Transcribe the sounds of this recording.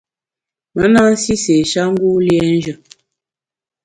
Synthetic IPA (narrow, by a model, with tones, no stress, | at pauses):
mə˨˦na˦n̩˦si˦se˨ʃa˦ŋ̩˦ɡu˦ljɛ˦n̩˦d͡ʒə˨